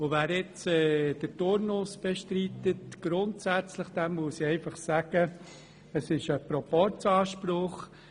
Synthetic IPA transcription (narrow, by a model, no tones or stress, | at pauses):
oʋæːɾɪt͡sɛːd̥ətʊɾnʊsb̥eʃtɾit̪ətɡ̥ɾʊntsæt͡sləχd̥̪ɛmmuəsiɛɪfɑχsæɡ̥ə | əsɪʃəpɾɔpɔɾtt͡sɑːʃprʊχ